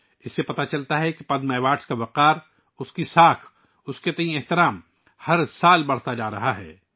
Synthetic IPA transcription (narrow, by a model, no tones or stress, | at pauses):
ɪsːepɐt̪at͡ʃɐlt̪aɦɛkipɐd̪mɛːʋaːʈskaʋɐqaːɾ | ʊskisaːkʰ | ʊsket̪ɐĩeɦt̪ɪɾaːm | hɐɾsaːlbɐɽ̤t̪ad͡ʒaːɾɐ̰ɦaɦɛ̰ː